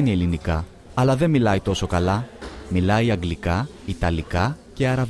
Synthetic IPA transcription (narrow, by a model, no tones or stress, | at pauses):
nie̞linikɐː | lɐðe̞milɐit̪o̞so̞kɐlɐmilɐiɐŋɡlikɐ | it̪ɐlikɐceɐɾɐv